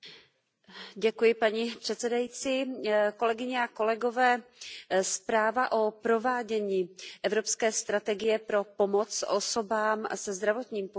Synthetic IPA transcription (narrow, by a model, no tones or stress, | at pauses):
ɟɛkujɪpaɲipr̝̥ɛt̪sɛdajit͡siːko̞lɛɡɪɲɛako̞lɛɡo̞vɛː | spɾaːvaʔo̞pɾo̞vaːɟɛɲiːʔɛvɾo̞pskɛːst̪ɾat̪ɛɡɪjɛpɾo̞po̞mo̞t͡sʔoso̞baːmsɛzd̪ɾavo̞t̪ɲiːmpo